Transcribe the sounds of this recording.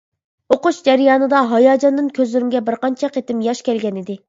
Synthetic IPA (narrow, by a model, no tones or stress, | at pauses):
oqʊʃd͡ʒɛɾjɑːnɨd̪ɑɦɑjɑːd͡ʒɑnd̪ɨnkʲʰøzlyɾymɡʲɛbɪɾqɑnt͡ʃʰɛqʰet̪ɪmjɑʃkʲɛlɡʲɛnɪd̪ɪ